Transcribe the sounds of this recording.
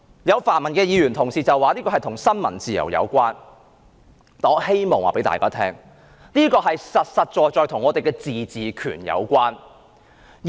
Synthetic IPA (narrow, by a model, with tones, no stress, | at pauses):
jɐ˨˧wfaː˨˩nmɐ˨˩nkɛː˧jiː˨˧jyː˨˩nt̪ʰʊ˨˩ŋsiː˨t͡sɐ˨waː˨niː˥kɔː˧ɦɐ˨jt̪ʰʊ˨˩ŋsɐ˥nmɐ˨˩nt͡siː˨˩jɐ̰˨˩wjɐ̰˨˧wkʷaː˥n | t̪ɔː˨˥he˥jmɔː˨ŋwa̰ː˨pe˨˥jt̪a̰ː˨jkaː˥t̪ʰɛː˥ŋ | niː˥kɔː˧ɦɐ˨jsɐ˨t̚sɐ˨t̚t͡ʃɔː˨˧jt͡sɔː˧jt̪ʰʊ˨˩ŋɔː˨˧t̪e˨jkɛː˧t͡siː˨t͡siː˨kʰy̰ː˨˩njɐ̰˨˧wkʷaː˥n